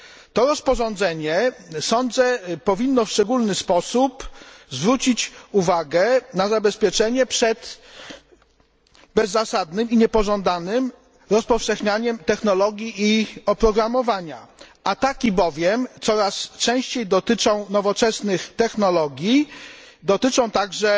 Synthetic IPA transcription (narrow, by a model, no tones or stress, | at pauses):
t̪ɔɾɔspɔʐɔ̃nd̪zɛɲɛsɔnd̪zɛpɔvʲinːɔfʂt͡ʂɛɡulnɘspɔsupzvɾut͡ɕit͡ɕuvaɡɛnazabɛspʲjɛt͡ʂɛɲɛpʂɛt̪ | bɛzːasad̪nɘmiɲɛpɔʐɔ̃nd̪anɘm | ɾɔspɔfʂɛxɲaɲɛmt̪ɛxnɔlɔɡʲjiʔiɔpɾɔɡɾamɔvaɲa̰at̪akʲibɔvʲjɛmt̪sɔɾast͡ʂɛ̃w̃ɕt͡ɕejd̪ɔt̪ɘt͡ʂɔ̃w̃nɔvɔt͡ʂɛsnɘxt̪ɛxnɔlɔɡʲji | d̪ɔt̪ɘt͡ʂɔ̃w̃t̪aɡʐɛ